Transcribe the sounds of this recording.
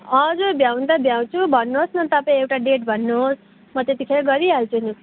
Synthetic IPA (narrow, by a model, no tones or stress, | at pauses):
ʌd͡zubjaw̃nd̪ʌbjaw̃t͡sʰubʱʌnːuɦosnʌt̪ʌpãĩewʈaɖeʈ̚bʱʌnːuɦos | mʌt̪et̪ikʰeɾaɡʌɾiʌlt͡sʰuni